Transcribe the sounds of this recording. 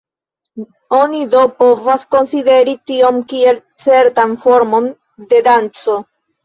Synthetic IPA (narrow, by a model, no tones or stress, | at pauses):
o̞nid̪opovasko̞nside̞ɾit̪io̞mkie̞l | t͡se̞ɾt̪anfo̞ɾmo̞n | d̪e̞d̪ant͡so̞